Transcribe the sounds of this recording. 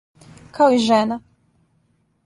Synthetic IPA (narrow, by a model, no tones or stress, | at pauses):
kaoiʒɛna